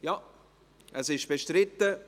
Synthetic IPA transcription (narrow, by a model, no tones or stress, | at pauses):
jɑ | ʔɛsɪʃb̥eʃtɾɪtːə